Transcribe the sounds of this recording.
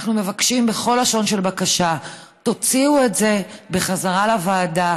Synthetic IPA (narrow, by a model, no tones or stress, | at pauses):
aχnume̞vakʃimbeχo̞laʃo̞nʃe̞lbakaʃa | to̞t͡siue̞tze̞be̞χazaʁalavaːda